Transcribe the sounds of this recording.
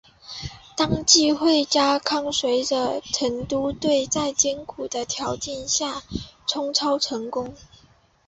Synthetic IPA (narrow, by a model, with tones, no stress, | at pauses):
t̪ɑ˥ŋt͡ɕi˥˧xwe˥˩ɪt͡ɕja˥kʰɑ˥˩ŋswe˧˥ɪd̪ə˧ʈ͡ʂʰə˧˥ŋt̪u˥t̪we˥˧ɪt͡sa˥˩ɪt͡ɕjɛ˥nkʰu˨˩d̪ə˦t̪ʰjɑ˧˥ʊt͡ɕɛ˥˧nɕja˥˩ʈ͡ʂʰʊ˥ŋʈ͡ʂʰɑ˥ʊʈ͡ʂʰɤ˧˥ŋkʊ˥ŋ